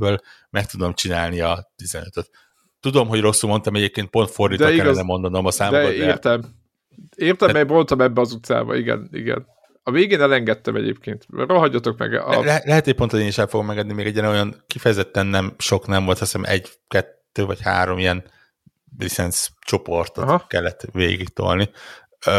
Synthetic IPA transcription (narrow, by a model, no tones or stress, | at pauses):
bøːl | mɛk̚t̪ud̪omt͡ʃinaːlniɒt̪izɛnøt̪øt̪ː | ud̪o̞mɦo̞ɟro̞ksulmo̞nt̪ɒmɛɟeːp̚keːnt̪̚po̞nt̪fo̞rd̪it̪d̪iɛɡ̪ɛmo̞nd̪ɒno̞mɒsaːmd̪oɛeːrt̪ɛm | eːrt̪ɛmɛbro̞nt̪ɒmɛbːɛɒzut̪sa̰ːbɒ̰iɡɛ̰nḭɡɛ̰n | ɒveːɡeːnɛlɛŋɡɛt̪ːɛmɛɟḛːpkeːnt̪roɦɒɟːɒt̪o̞kmɛ̰ɡɒ̰lɛɛlɛɦɛt̪hoc̚ponʰoeːniʃɛlfoɡomɛŋɡɛd̪nimeːɡɛɟːɛɾɛojɒnkifɛjɛzɛt̪ːɛnːɛmʃo̞knɛɱvo̞lt̪hɒsɛnɛmʔɛ̰ɟ | kɛt̪ːøːvɒcha̰ːɾo̞miɛn | lisɛnst͡ʃo̞po̞rt̪ot̪kɛlːɛt̪ːveːɡikt̪o̰lni